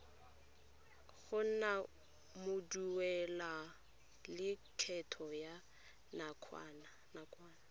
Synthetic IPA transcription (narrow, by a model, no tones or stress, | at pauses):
ɣʊn̩na | mʊduwɛla | lɪkʰɛtʰɔja | nakʰaːna | nakʼwaːna